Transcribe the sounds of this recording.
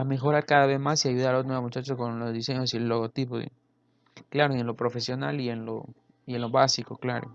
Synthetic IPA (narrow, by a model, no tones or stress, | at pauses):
ame̞xo̞ɾaɾkaðaβ̞e̞zmasiaʝuðaɾlot̪nweamut͡ʃat͡ʃokonlo̞zðise̞ɲo̞sielːo̞ɣot̪ipo̰ | klaɾoenlo̞pɾo̞fe̞sjo̞nalie̞nlo̰ | ie̞nlo̞βasiko̞klaɾo̰